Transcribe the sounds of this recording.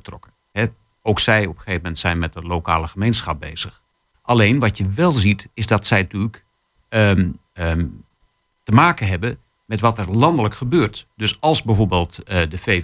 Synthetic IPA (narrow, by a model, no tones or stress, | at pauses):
ətrɔ̰kə | hɛ | owksɛjɔpə̥χeːvəmɛntsɛjnmɛt̚dəlowka̰ːləχəmejnsχɑp̚bejz̥əχ | ʔɑlejnʋɑtjəʋɛlˠzitɪzdɑtsɛjtyk | ə | ə | təmaːkənɦɛbə | mɛtʋɑtɛrlɑndələkχəbøːrtdɵsɑlˠzbɛjvoːɹbeːlˠtdəfe